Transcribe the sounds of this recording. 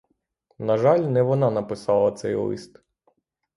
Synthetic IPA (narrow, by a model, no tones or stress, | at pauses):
nɐʒɑlʲnɛʋɔnɑnɐpɪsɑlˠɐt̪sɛjlˠɪ̰st̪